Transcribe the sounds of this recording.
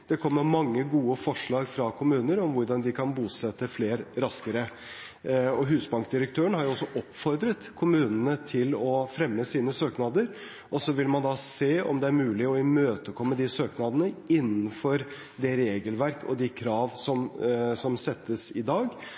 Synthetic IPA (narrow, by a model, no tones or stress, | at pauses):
d̪̥ɛkʰɔmːəɾmɑŋːəɡuːəfɔʂɭɑːɡfɾɑkʰʊmʉːnəɾɔmʋʊɾɖɑnd̪ɪkʰɑnbuːsɛt̪ːəfleːɾɾɑskəɾə | ɔɦʉːsbɑŋkd̪ɪɾək̚t̪ʰøːənhɑɾjʊɔsːɔʔɔpːfɔɾd̪ɾət̪kʰʊmʉːnənət̪ʰɪlɔfɾɛmːəsiːnəsøːknɑːd̪əɾ | ʔɔsɔʋɪlmɑnd̪ɑseːɔ̰md̪ɛæɾmʉːlɪɔɪmøːt̪əkʰɔmːəd̪ɪsøːknɑːd̪ənəɪnːnfɔɾ | d̪ɛɾeːɡəlʋæɾkɔ̰d̪ɪkʰɾɑːʋsɔmsɔmsɛt̪ːəsɪd̪ɑːɡ